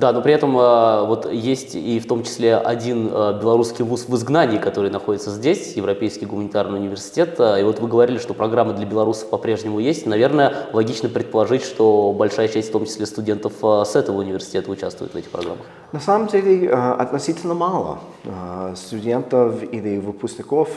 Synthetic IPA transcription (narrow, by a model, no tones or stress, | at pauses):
d̪ano̞pɾʲɪɛt̪əməvo̞t̪ʰjesʲtʲift̪o̞mt͡ɕɪ̥sʲlʲeʔɐ̰dʲinəbʲɪlˠɐɾuskʲɪjvusvɨzɡnanʲɪːkɐt̪o̞ɾɨjnɐxodʲɪt̪səzʲdʲesʲjɪvɾɐpʲejskʲɪjɡʊmənʲɪt̪arnɨjʊnʲɪvʲɪrsʲɪ̥tʲet̪ːivo̞t̪vɨɡəvɐɾʲilʲɪʂt̪opɾɐɡɾamːəd̪lʲɐbʲɪlˠɐɾusə̥fpɐpɾʲe̞ʐnʲɪmʊjesʲtʲnɐvʲe̞rnəjəlˠɐɡʲit͡ɕnəpɾʲɪt̪̚pəlˠɐʐɨtʲʂt̪o̞bɐlʲʂajət͡ɕæsʲtʲft̪o̞mt͡ɕɪsʲlʲest̪ʊdʲe̞nt̪əfəsɛt̪əvəʊnʲɪvʲɪrsʲɪ̥tʲe̞t̪əʊt͡ɕæ̰st̪vʊjɪt̪vɛtʲɪxpɾɐ̰ɡɾa̰mːəx | nɐsaməmdʲelʲɪɐ̰t̪nɐsʲitʲɪlʲnəmalˠə̰ | st̪ʊdʲent̪əfilʲɪvɨpʊsʲnʲɪkof